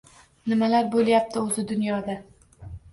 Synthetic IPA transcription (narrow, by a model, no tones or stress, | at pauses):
nɪmalaɾbolˠjap̚t̪ʰɪɵzɪd̪ʊnjɒd̪a